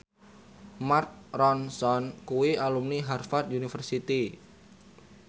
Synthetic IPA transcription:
mark̚rɔnsɔnkuwialumniɦarfart̪̚unifərsit̪i

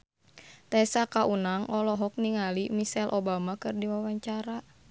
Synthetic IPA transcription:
t̪asakaʔunaŋʔɔlɔɦɔk̚niŋalimisɛlʔɔbamakɨrdiwawaɲt͡ʃaɾa

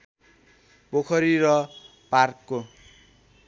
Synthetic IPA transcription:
pokʰʌɾiɾʌ | parkːo

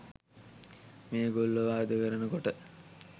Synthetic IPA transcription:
meːɡolːəʋaːd̪əkəɾənəkoʈə

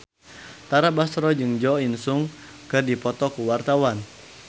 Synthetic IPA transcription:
t̪aɾabasɾɔd͡ʒɨŋd͡ʒɔinsuŋ | kɨdipɔt̪ɔkuwart̪awan

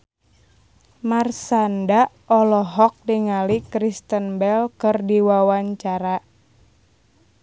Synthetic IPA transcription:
marsanda | ɔlɔɦɔk̚diŋalikɾist̪ənbɛlkɨrdiwawaɲt͡ʃaɾa

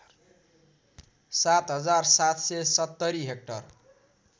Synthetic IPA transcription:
sat̪ɦʌd͡zarsat̪sesʌt̪ːʌɾiɦek̚ʈʌr

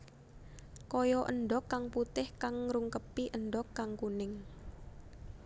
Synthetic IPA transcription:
kɔjɔʔənɖɔkːaŋput̪ɪhkaŋɾuŋkəpiʔənɖɔkːaŋkunɪŋ

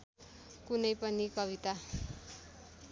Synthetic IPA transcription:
kunʌjpʌnikʌβit̪a

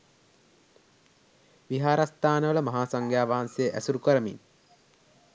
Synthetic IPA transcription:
ʋiɦaːɾast̪aːnəʋələmɐɦaːsaŋɡjaːʋaɦansejəʔæsuɾukəɾəmḭn

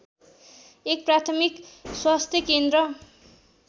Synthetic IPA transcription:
ek̚prat̪ʰʌmikswast̪ʰjʌkend̪ɾʌ

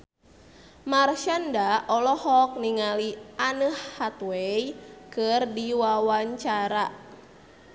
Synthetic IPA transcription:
marʃandaɔlɔhɔk̚niŋaliʔanəhːat̪wejkɨrdiwawaɲt͡ʃaɾa

